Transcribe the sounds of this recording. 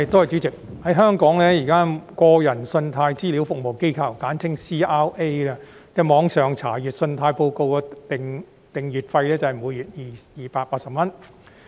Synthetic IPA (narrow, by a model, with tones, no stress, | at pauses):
jɪ˨k̚t̪o˥hɐ˨jt͡syː˨˥t͡sɪ˨k̚ | hɐ˨˥jɦœː˥ŋkɔː˨˥ŋlɛː˥jiː˨˩kaː˥kɔː˧jɐ˨˩nsɵ˧nt̪ʰaː˧jt͡siː˥li˨˥wfʊ˨k̚mo˨˩wke˥jkʰɐ˧˩wkaː˨˥nt͡sʰɪ˥ŋsiː˥ʔaː˥wʔe˥jlɛː˧kɛː˧mɔː˨˧ŋsœː˨ŋt͡sʰa̰ː˨˩jyː˨t̚sɵ˧nt̪ʰaː˧jpo˧wko˧wkɔ˧t̪ɪ˨˩ŋ | t̪ɪ˨ŋjyː˨˩t̚fɐ˧jlɛː˥t͡sɐ˨˩hɐ˨˩muː˨˧jyː˨t̚jiː˨jiː˨paː˧t̚paː˧t̚sɐ˨p̚mɐ˥n